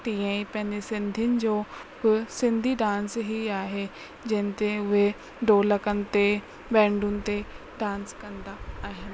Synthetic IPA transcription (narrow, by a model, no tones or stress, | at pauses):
ʈ̪iːə̃ipɐ̃ɦɪ̃ɲd͡ʑesɪ̃nd̪ʱiəʊnɪ̆d͡ʑoːbɪsɪ̃nd̪ʱiɖãːnsɦiaːɦe | d͡ʑɐ̃ɦɪ̃nt̪eʊɦe | ɖoːlɐkənɪ̆t̪e | bɛ̃ːɳɖʊnɪ̆t̪e | ɖãːnskɐ̃nd̪aaːɦɪnɪ̆